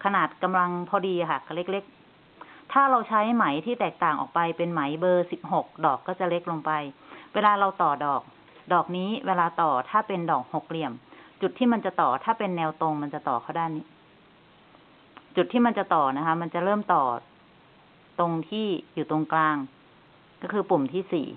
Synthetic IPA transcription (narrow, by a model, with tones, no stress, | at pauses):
kʰa˧naː˨˩t̪̚ka˧mla˧ŋpʰɔː˧diː˧ʔa˨˩kʰa˧˨˩ka˧˩le˦˥k̚le˦˥k̚ | t̪ʰaː˥˩ɾa˧wt͡ɕʰa˦˥jma˩˦jt̪ʰiː˥˩t̪ɛː˨˩k̚t̪aː˨˩ŋʔɔ̰ː˨˩k̚pa˧jpe˧nma˩˦jbɤː˧si˨˩p̚ho˨˩k̚dɔː˨˩kːɔː˥˩t͡ɕa˨˩le˦˥k̚lo˧ŋpa˧jweː˧laː˧ɾa˧wt̪ɔː˨˩dɔː˨˩k̚ | dɔː˨˩k̚niː˦˥weː˧laː˧t̪ɔː˨˩t̪ʰaː˥˩pe˧ndɔː˨˩k̚ho˨˩k̚li˧˩əmt͡ɕu˨˩t̪ʰːiː˥˩ma˧nt͡ɕa˨˩t̪ɔː˨˩t̪ʰaː˥˩pe˧nːɛː˧wt̪o˧ŋma˧nt͡ɕa˨˩t̪ɔː˨˩kʰa˧˥˩wdaː˥˩jniː˦˥˩ | t͡ɕu˨˩t̪ʰːiː˥˩ma˧nt͡ɕa˨˩t̪ɔː˨˩na˦˥kʰa˦˥ma˧nt͡ɕa˨˩ɾɤː˥˩mt̪ɔː˨˩ | t̪o˧ŋt̪ʰiː˥˩juː˨˩t̪o˧ŋklaː˧ŋ | kɔː˥˩kʰɯː˧pu˨˩mt̪ʰiː˥˩sḭː˨˩